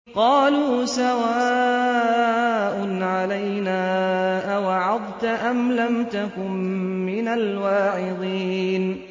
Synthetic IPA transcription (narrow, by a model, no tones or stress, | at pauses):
qɑːluːsawaː | ʔʊnʕalajnaːʔawɑʕɑd̪ˤt̪aʔamlamt̪akʊmːɪnalwaːʕɪd̪ˤiːn